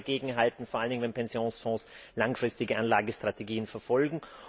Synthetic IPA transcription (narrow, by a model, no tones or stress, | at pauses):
ɡeːɡŋ̩ɦaltn̩foɐaləndɪŋəvɛnpʰɛnzjoːnsfɔ̃ːs | laŋfʁ̥ɪstɪɡəʔanlaːɡəstʁ̥ateɡiːənfɛɐfɔlɡŋ̩